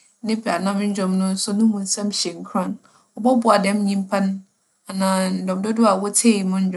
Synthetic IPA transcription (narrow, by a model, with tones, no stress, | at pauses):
nɪ̃˦ba˨nã˦m˦ɲ̩˦d͡ʑᶣɔ̃˨mnʊ̃˦n̩˦sʊ˦nʊ̃˦mũ˨n̩˦sã˦mɕɛ˨ŋ̩˦kʰɾã˦˨n | ɔ˨bɔ˦bʊ˨˦a˨dɛ̃˦m˦ɲĩ˦m˦pʰa˦nʊ̃˦ | a˨nãː˨n̩˨dɔ̃˨m˨dɔ˦dʊ˦a˨wɔ˦tʰe˦˨i˨mʊ̃˦ɲ̩˦d͡ʑ̃ᶣ